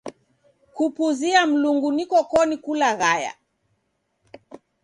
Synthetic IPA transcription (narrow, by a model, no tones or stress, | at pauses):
kupuziam̩luŋɡunikɔkɔnikulaɣaja̰